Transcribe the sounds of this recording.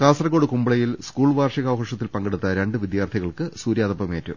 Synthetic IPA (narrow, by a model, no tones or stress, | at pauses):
kaːsrɐko̞ːɽɨkumbɐɭɐjilskuːɭʋaːrʂiɣaːʋɐɦɐʂɐt̪ːilpɐŋɡeɽut̪ːɐɾe̞ɳɖɨʋid̪jaːrt̪ʰiɣɐɭkɨsuːɾjaːðɐpːɐme̞ːtːṵ